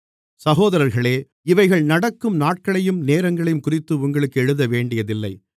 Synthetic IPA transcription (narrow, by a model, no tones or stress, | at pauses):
sɐɣoːðɐɾɐɾɣɐɭeː | ɪʋɐɪɣɐɭnɐɽɐkːɯmnaːʈ̚kɐɭɐjɯmneːɾɐŋɡɐɭɐjɯmkʊrɪt̪ːɯʊŋɡɐɭɯkːɛɻɯðɐʋeːɳɖɪjɐðɪlːɐɪ